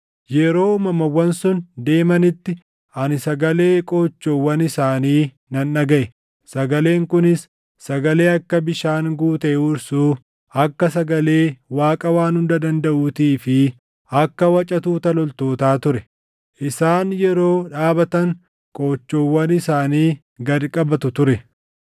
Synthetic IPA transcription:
jɛɾo̞ːmɐmɐwːɐnsʊnd̪e̞ːmɐnɪt̪ːɪ | ɐnɪsɐɡɐle̞ːkʼoːt͡ʃːoːwːɐnɪsaːniː | nɐnːɐɡɐʔɛ | sɐɡɐle̞ːŋkʊnɪsː | ɐɡɐle̞ːɐkːɐbɪʃaːŋɡuːt̪ɛɛʊɾsuː | ɐkːɐsɐɡɐle̞ːwaːkʼɐwaːnhʊnd̪ɐd̪ɐnd̪ɐʔuːt̪iːfɪ | ɐkːɐwɐt͡ʃʼɐt̪uːt̪ɐlɔlt̪o̞ːt̪aːt̪ʊɾɛ | ʔɪsaːnjɛɾo̞ːᶑaːbɐt̪ɐŋ | kʼoːt͡ʃːoːwːɐnɪsaːniː | ɡɐɾkʼɐbɐt̪ʊt̪ʊɾɛ

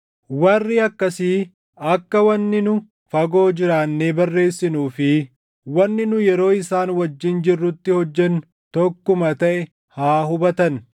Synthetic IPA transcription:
wɐrːɪɐkːɐsɪ | ɐkːɐwɐnːɪnʊ | fɐɡo̞ːd͡ʒɪɾaːnːe̞ːbɐrːe̞ːsːɪnuːfɪ | wɐnːɪnʊjɛɾo̞ːɪsaːnwɐd͡ʒːɪnd͡ʒɪrːʊt̪ːɪhɔd͡ʒːɛn | t̪ɔkːʊmɐt̪ɐʔɛ | haːɦʊbɐt̪ɐn

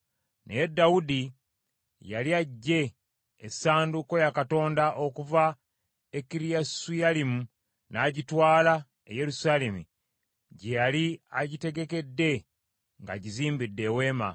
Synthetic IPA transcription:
nejedːawudi | jaliaɟːe̞ː | saːnduko̞jakato̞ːndaʔo̞kuva | ekiɾijasujalimu | naːɟitwaːla | ḛje̞ɾusaːle̞mṵ | ɟejaliaɟite̞ɡe̞ke̞dːe̞ | ŋɡa̰ɟiziːmbidːe̞ːwe̞ːma̰

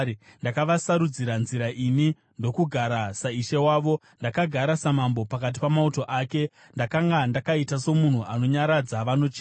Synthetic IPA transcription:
ndakaʋasaɾud͡ziɾanziɾaʔini | ndo̞kuɡʱaɾasaiʃewaːʋo̞ | ndakaɡʱaɾasamambo̞pakat̬i̥pamauto̞ʔaːke̞ | ndakaŋɡandakaitaso̞mun̤uʔano̞ɲaɾad͡zaʋano̞t͡ʃi

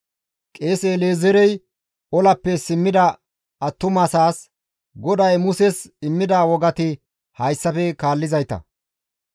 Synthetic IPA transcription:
kʼeːseːleːzɛɾɛj | ɔlɐpːɛsɪmːɪd̪ɐ | ɐt̪ːʊmɐsaːs | ɡɔd̪ɐjmʊsɛsɪmːɪd̪awɔɡɐt̪ɪ | hɐjsːɐfɛkaːlːɪzɐjt̪ɐ̰

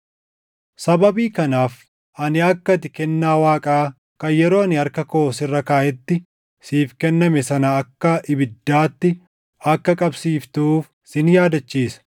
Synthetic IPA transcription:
sɐbɐbiːkɐnaːf | ʔɐnɪɐkːɐt̪ɪkɛnːaːwaːkʼaː | kɐjɛɾo̞ːɐnɪɐɾkɐkoːsɪrːɐkaːʔɛt̪ːɪ | siːfkɛnːɐmɛsɐnɐːkːɐʔɪbɪd̪ːaːt̪ːɪ | ɐkːɐkʼɐbsiːft̪uːf | sɪnjaːd̪ɐt͡ʃːiːsɐ̥

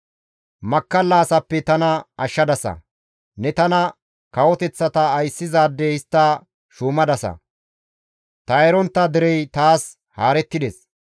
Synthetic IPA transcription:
mɐkːɐlːaːsɐpːɛt̪ɐnɐɐʃːɐd̪ɐsɐ̰ | nɛt̪ɐnɐ | kɐwɔt̪ɛt͡sːɐt̪ɐːjsːɪzaːd̪ːɛhɪst̪ːɐ | ʃuːmɐd̪ɐsɐ̰ | t̪ɐɛɾɔnt̪ːɐd̪ɪɾɛjt̪aːs | haːɾɛt̪ːɪd̪ɛs

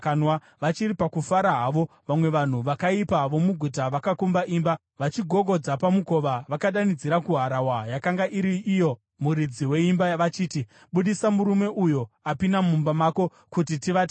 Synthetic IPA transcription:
kanwa | ʋat͡ʃiripakufaɾaɦaːʋo̞ | ʋamwe̞ʋan̤uʋakaipaʋo̞muɡʱutaʋakakumbaʔiːmba | ʋat͡ʃiɡʱo̞ɡʱo̞d͡zapamuko̞ʋaʋakaɗanid͡ziɾakuɦaɾawajakaŋɡaʔiɾiʔːjo̞ | muɾid͡ziwe̞imbaʋat͡ʃiːti | ɓuɗisamuɾume̞ʔujo̞apinamumbamako̞ | kutitiʋate

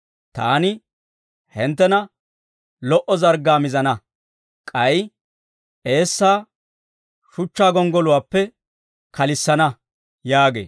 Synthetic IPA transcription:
t̪a̰ːnɪ | hɪnt̪ːɛnɐ | lɔʔɔzɐɾɡaːmɪzɐnɐ | kʼɐj | ʔe̞ːsːaː | ʃʊt͡ʃːaːɡɔŋɡɔlʊwaːpːɛ | kɐlɪsːɐnɐ | jaːɡḛː

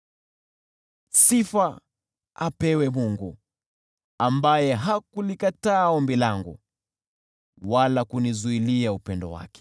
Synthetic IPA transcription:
sifa | apɛwɛmuŋɡu | ambajɛɦakulikataːɔmbilaŋɡṵ | walakunizuiliaupɛndɔ̰wa̰kɛ̥

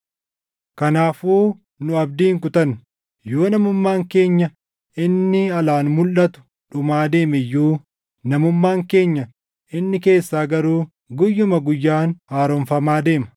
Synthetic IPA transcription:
kɐnaːfuː | nʊɐb̚d̪iːŋkʊt̪ɐnʊ | jo̞ːnɐmʊmːaːŋke̞ːɲːɐ | ɪnːɪɐlaːnmʊlːɐt̪ʊ̥ | ᶑʊmaːd̪e̞ːmɛjːuː | nɐmʊmːaːŋke̞ːɲːɐ | ʔɪnːɪke̞ːsːaːɡɐɾuː | ɡʊjːʊmɐɡʊjːaːnhaːɾɔnfɐmaːd̪e̞ːmɐ̥

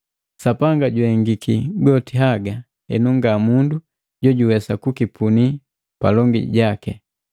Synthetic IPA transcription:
sapaŋɡaɟwɛŋɡikiɡɔtiɦaɡa | hɛ̰nuŋɡamundu | ɟɔɟuwɛsakukipʰuni | palɔŋɡḭɟakɛ

